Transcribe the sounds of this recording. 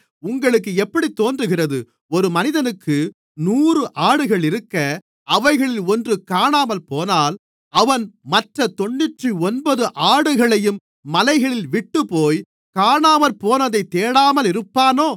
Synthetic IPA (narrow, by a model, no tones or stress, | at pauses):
ʊŋɡɐɭɯkːɯɛpːɐɽit̪ːoːndrɯɣɪrɐðɯ | ɔɾɯmɐnɪðɐnɯkʰːɯ | nuːrɯʔaːɽɯɣɐɭɪɾɯkːɐ | ɐʋɐɪɣɐɭɪlɔndrɯkaːɳaːmɐlpoːnaːl | ɐʋɐnmɐʈrɐt̪ɔɳːɯʈriɔnbɐðɯʔaːɽɯɣɐɭɐjɯmː | ɐlɐɪɣɐɭɪlʋɪʈːɯpoːj | kaːɳaːmɐlpoːnɐðɐɪt̪ːeːɽaːmɐlɪɾɯpːaːnoː